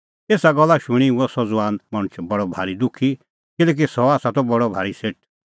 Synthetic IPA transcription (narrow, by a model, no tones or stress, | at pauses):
eːsaɡɔlːaʃʊɽ̃iuɔsɔd͡zʋaːnmɐɽ̃ʊt͡ʃʰbɐɽɔbʱaːɾid̪ʊkʰːi | kɪlɛːk̬isɔaːsat̪ɔbɔɽɔbʱaːɾiseʈ̚ʰ